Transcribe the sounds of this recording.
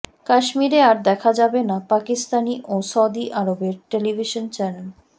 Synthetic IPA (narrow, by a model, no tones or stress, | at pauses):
kaʃmiɾeaɾd̪ɛkʰad͡ʑabenapakist̪aniʔosawd̪iʔaɾobeɾʈelibʱiʃont͡ɕɛnel